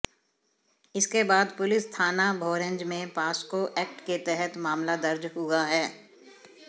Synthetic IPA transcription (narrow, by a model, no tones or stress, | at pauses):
ɪskebaːd̪pʊlɪst̪ʰaːnabʱɔːɾə̃ɲd͡ʒmẽpaːskoʔɛːk̚ʈket̪ɛɦɛt̪maːmlad̪ɐɾd͡ʒɦʊaɦɛː